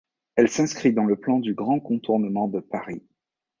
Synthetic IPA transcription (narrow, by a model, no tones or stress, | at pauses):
ɛlsɛ̃skχid̪ɑ̃ləplɑ̃d̪yɡʁɑ̃kɔ̃t̪uʁnəmɑ̃d̪əpaʁi